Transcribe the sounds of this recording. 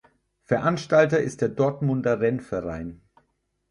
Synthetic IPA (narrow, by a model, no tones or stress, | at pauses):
fɛɐʔanʃtaltɐɪst̚d̥eːɐdɔɐtmʊndɐʁɛnfɛɐʁa̰ɪn